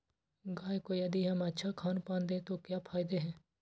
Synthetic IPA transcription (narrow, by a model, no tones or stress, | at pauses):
ɡaːjkojɐd̪iɦɐmɐtːʃʰakʰaːnpãːnd̪ẽt̪okjaːpʰaːɪd̪eɦɛ̃ː